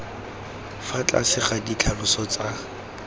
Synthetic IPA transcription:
fat͡ɬʼa̰sɪχadit͡ɬʰalʊsɔt͡sa

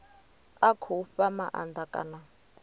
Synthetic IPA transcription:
akʰufamaʔa̰ndakʼa̰na

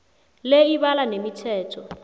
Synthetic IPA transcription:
leiβalanemitʰɛːtʰɔ

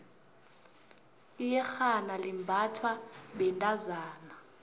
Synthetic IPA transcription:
ijɛxanalimbʱatʰwaɓɛntʼazaːna

